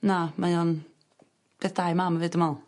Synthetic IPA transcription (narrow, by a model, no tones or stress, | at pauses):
namajɔn | b̥eθd̥ajmamavɨːdəmalˠ